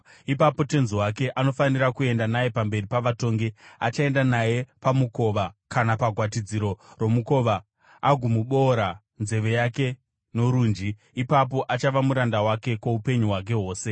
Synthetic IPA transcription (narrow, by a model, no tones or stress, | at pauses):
ipapo̞tenzuwake̞ʔano̞fanirakue̞ndanaje̞pambe̞ripaʋato̞ːŋɡea̰t͡ʃae̞ndanaje̞pamuko̞ʋakanapaɡʱwat̬id͡ziɾo̞romuko̞ʋa | aɡʱumuɓo̞ɾa | nze̞ʋe̞jake̞ | no̞ɾuːnd͡ʒi | ipap̬o̞ʔat͡ʃaʋamuɾandawake̞koupe̞ɲuɦwak̬e̞ɦo̞ːse̞